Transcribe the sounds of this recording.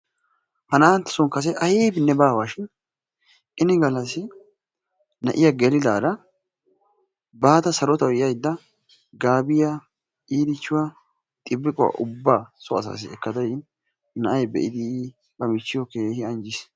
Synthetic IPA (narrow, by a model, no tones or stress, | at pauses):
hɐnaːnt̪ːɪ̥sɔŋkɐs̬ɛʔɐjiːbɪnːɛbaːwaːʃɪn | ʔɪnɪɡɐlɐsɪ | nɐʔɪjɐɡɛlɪd̪aːd̪ɐ | baːt̪ɐsɐɾɔt̪ɐwɛjɐjd̪ːɐ | ɡaːbɪjɐ | iːd̪ɪt͡ʃːʊwɐ | t̪ʼɪbːɪkʼɔwɐ̰ʔʊbːasɔɐsa̰ːs̬ɪɛkːɐd̪ɐjɪn | nɐʔɐjbɛ̰ʔɪd̪ɪ | bɐmɪt͡ʃːɪjɔkeːhɪɐnd͡ʒɪs